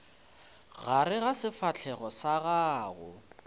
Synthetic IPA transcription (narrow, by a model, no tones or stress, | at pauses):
ɣaɾɪɣasɪfat͡ɬʰɛɣɔsaɣaːɣʊ̰